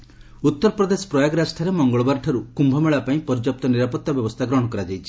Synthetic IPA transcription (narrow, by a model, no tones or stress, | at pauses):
ut̪ːɔɾɔpɾɔd̪esɔ̥pɾɔjaɡɾasʈʰaɾemɔŋɡɔɭɔbaɾʈʰɔɾukumbʱɔmeɭapaĩpɔɾd͡ʒɔp̚t̪ɔniɾapɔt̪ːabjɔbɔst̪ʰaɡɾɔɽ̃ɔkɔɾad͡ʒajt͡ʃʰi